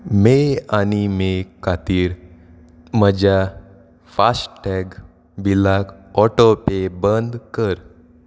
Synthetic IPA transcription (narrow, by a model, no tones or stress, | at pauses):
meanimekʰat̪iːɾ | məd͡ʑa | fasʈɛɡ | bilakɔʈopebənd̪kəɾ